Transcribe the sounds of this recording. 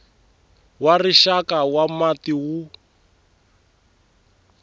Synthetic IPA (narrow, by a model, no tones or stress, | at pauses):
wariʃakawamatiwu